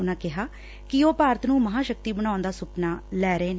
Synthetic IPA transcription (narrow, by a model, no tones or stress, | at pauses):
ʊnãːkɪɦaː | kɪoːpaːɾət̪nũːməɦãːʃək̚t̪iːbəɽ̃ãːʊnd̪aːsʊpnaːlɛːɾəeːnː